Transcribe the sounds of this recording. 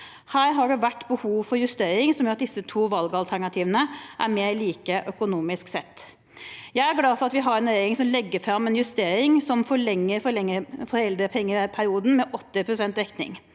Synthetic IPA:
hæːɾɦɑɖɛʋæʈːbəhuːʋfɔɾjʉst̪eːɾɪŋsɔmjʊɾɑt̪̚d̪ɪsːət̪ʰuːʋɑlɡəɑlt̪ʰæɳɑt̪ʰiːʋənəʔæɾmeːɾɭiːkəʔœkʊnuːmɪsksɛt̪ː | jæɪæɾɡlɑːfɔɾɑt̪ʋɪɦɑɾɛneɾɪŋsɔmlɛɡːəɾfɾɑmɛnjʉst̪eːɾɪŋsɔmfɔɭɛŋːəɾfɔɾɭɛŋːəfɔɾɛld̪ɾəpʰɛŋːəpʰæɾɪuːd̪n̩mɛʔɔt̪ːɪpʰɾʊsɛnt̪ɾɛkt̪nɪ̰ŋ

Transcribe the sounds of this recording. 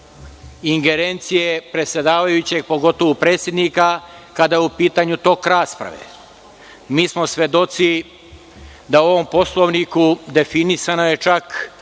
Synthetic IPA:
iŋɡe̞ɾent̪sije̞pɾet̪sʲje̞d̪aːʋajut͡ɕe̞ɡ̚po̞ɡo̞t̪o̞ʋupɾeːt̪sje̞d̪nika | kad̪ajeupiːt̪aɲut̪o̞kɾaːspɾa̰ʋḛ | miːsmo̞sʋe̞d̪o̞t̪si | d̪ao̞ʋo̞mpo̞slˠoʋnikud̪e̞finisanoje̞t͡ʃak

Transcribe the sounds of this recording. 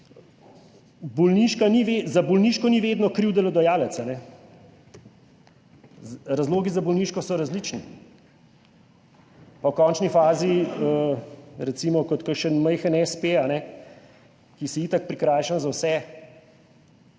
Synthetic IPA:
bɔlniʃkaniʋezabɔlniʃkɔniʋeːd̪nɔkɾiwd̪ɛlɔd̪ɔjaːlət̪sanɛ | ɾazloːɡizabɔlniːʃkɔsɔɾazlit͡ʃni | pawkɔːnt͡ʃnifaːziəɾɛt̪simɔkɔt̪kəʃənməjxɛnɛspeanɛ | kisɛiːt̪ak̚pɾikɾaːjʃənzawsɛ

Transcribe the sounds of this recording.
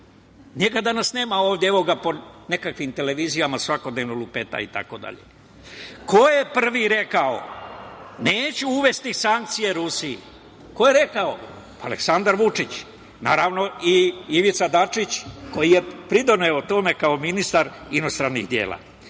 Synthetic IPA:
nekad̪anasne̞ːmaoːʋd̪jeeʋo̞ɡapo̞ne̞kakʋimt̪e̞le̞ʋizijamasʋako̞d̪neʋnolupet̪a̰ḭt̪a̰ko̞d̪a̰ʎḛ | ko̞je̞pr̩ʋiɾe̞kao̰ | neːt͡ɕuuʋe̞st̪isaŋk̚t̪sije̞ɾusiḭ | ko̞je̞ɾe̞kao | ale̞̰ksand̪aɾʋut͡ʂit͡ɕ | na̰ːɾaʋno̞iiʋit̪sad̪at͡ʂit͡ɕko̞jije̞pɾid̪o̞neot̪o̞me̞kao̞minist̪aɾino̞st̪ɾanːḭɣd̪jḛːla̰

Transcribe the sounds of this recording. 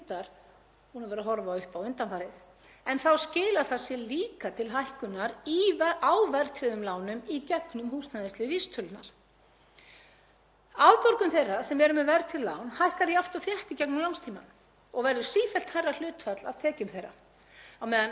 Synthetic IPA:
t̪aɾ̥ | hunavɛɾaɦɔɾvaawʏhpawɪnt̪anfaːɾɪθ | ɛnθawscɪːlaθasjɛliːkat̪ʰɪlɦajhkʏnaɾiawvɛɾt̪ʰɾɪðʏmlaːwnʏmicɛknʏmhuːsnaðɪst̪lɪvist̪ʰʏlnaɾ̥ | awðpɔɾkʏmθejrːasɛmɛɾʏmɛvɛɾt̪ʰɪllːa̰wnhajhkaɾjawht̪awθjɛht̪ɪcɛknʏmlawnst̪ʰiːma̰n | ɔɣvɛɾðʏ̥siːfɛlt̪hajrːal̥ʏːt̪fat̪la̰ð̥t̪ʰɛːcʏmθejrːa̰ | awmɛːðan

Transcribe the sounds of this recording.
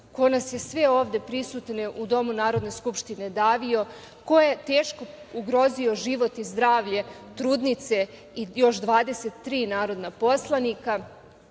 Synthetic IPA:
ko̞nasje̞sʋe̞o̞ːʋd̪e̞pɾisut̪neʔud̪o̞munaːɾo̞d̪ne̞skupʃt̪ine̞d̪aːʋio̞ | ko̞jet̪e̞ːʃko̞ | uɡɾo̞zio̞ʒiʋo̞t̪izd̪ɾaːʋʎe̞ | t̪ɾuːd̪nit̪se̞ | ijo̞ʃd̪ʋaːd̪e̞set̪ːɾiːnaːɾo̞d̪napo̞slˠanika

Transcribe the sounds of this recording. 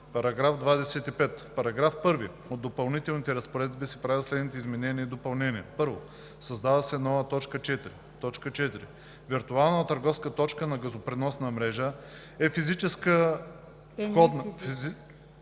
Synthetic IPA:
pɐɾɐɡɾafd̪vad̪ɛsɛt̪ipɛt̪fpɐɾɐɡɾafpɤɾvi | od̪ːopɐlˠnit̪ɛlnit̪ɛɾɐspoɾɛd̪bisɛ̥pɾavislɛd̪nit̪ɛizmɛnɛniɛid̪opɐlˠnɛniɛpɤɾvo | sɐzd̪avəsɛnɔvət̪ɔt͡ʃkət͡ʃɛt̪ɾi | t̪ɔt͡ʃkət͡ʃɛt̪iɾi | viɾt̪ualˠnət̪ɐɾɡɔfskət̪ɔt͡ʃkənɐɡɐzopɾinɔsnɐmɾɛʒə | ɛfizit͡ʃɛskə | xɔd̪ni

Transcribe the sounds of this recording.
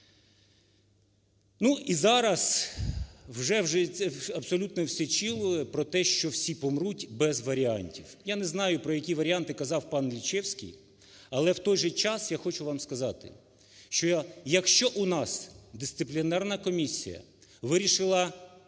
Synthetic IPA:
nuizɑɾɐs | wʒɛwʒɛɛɐbsɔlʲut̪nɔwsʲɛt͡ʃilˠʊjɛpɾɔt̪ɛʃt͡ʃɔwsʲipɔmɾutʲbɛzʋɐɾʲianʲtʲiwjanɛznɑjʊpɾɔjɐkʲiʋɐɾʲiant̪ɪkɐzɑwpɑnlʲit͡ʃɛwsʲkʲḭj | ɐlˠɛwt̪ɔjʒɛt͡ʃɑsjaxɔt͡ʃʊʋɑmskɐzɑt̪ɪ̰ | ʃt͡ʃɔjɐkʃt͡ʃɔʔunɑsd̪ɪst̪sɪplʲiɔnɛrnɐkɔmʲisʲḭjɐ̰ʋɪɾʲiʃɪlˠɐ

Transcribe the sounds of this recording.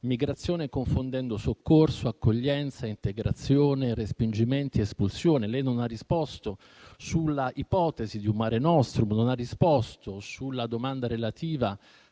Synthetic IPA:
miɡɾat̪sːjoːnekoɱfond̪ɛnd̪osokːorsoakːoʎːɛnt̪saint̪eɡɾa̰t̪sːjoːnerespind͡ʒiment̪iespulsjoːnelɛjnonarːispɔst̪o | sulːaʔipɔːt̪ezid̪iummaːɾenɔst̪ɾononarːispɔst̪osulːad̪omand̪aɾelat̪iːva

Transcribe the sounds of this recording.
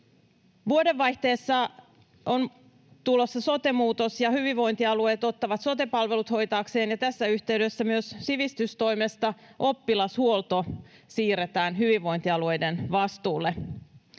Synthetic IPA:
ʋuode̞ʋːɑjht̪e̞ːsːɑ | on | t̪ulo̞sːɑso̞t̪e̞muːt̪o̞sjɑhyʋiʋo̞jnt̪iɑlue̞ːt̪o̞t̪ːɑʋɑt̪so̞t̪e̞pɑlʋe̞lut̪ho̞jt̪ɑːkse̞ːnjɑt̪æsːæyht̪e̞yɥdø̞sːæmyøssiʋist̪yst̪o̞jmest̪ɑʔo̞pːilɑshuolt̪o̞siːɾet̪æːnɦyʋiʋʋo̞jnt̪iɑlue̞jdenʋɑst̪uːlːe

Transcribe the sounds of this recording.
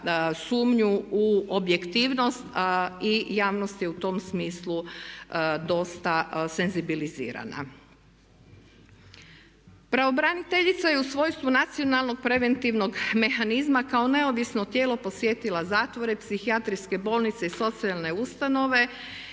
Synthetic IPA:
suːmɲuuobje̞kt̪iːʋno̞st̪ijaːʋnost̪je̞ut̪o̞msmiːslu | d̪o̞st̪ase̞nzibilizḭːɾa̰na̰ | pɾao̞bɾanit̪eʎit̪sajeusʋo̞ːjst̪ʋunat̪sio̞nalˠno̞ɡ̚pɾe̞ʋe̞nt̪iʋno̞ɡme̞xanizmakao̞ne̞o̞ʋisno̞t̪je̞ːlo̞po̞sʋje̞t̪ilazaːt̪ʋo̞ɾe̞psixiat̪ɾiske̞bo̞ːlˠnit̪se̞iso̞t̪sialˠne̞ust̪ano̞ʋe̞

